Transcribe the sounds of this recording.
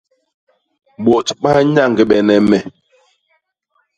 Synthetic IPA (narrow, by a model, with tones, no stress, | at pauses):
ɓɔ˨tɓa˦ɲa˦˨ŋ˨ɡi˨ɓɛ˨nɛ˨mɛ˨